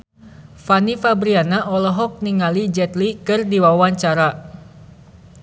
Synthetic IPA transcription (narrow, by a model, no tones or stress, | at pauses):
fanifabɾianaʔɔlɔɦɔk̚niŋalid͡ʒɛt̪likɨrdiwawaɲt͡ʃaɾa